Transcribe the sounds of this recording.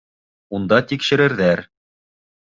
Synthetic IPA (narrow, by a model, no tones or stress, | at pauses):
und̪ɑt̪ikʃɘ̆ɾɘ̆ɾðæɾ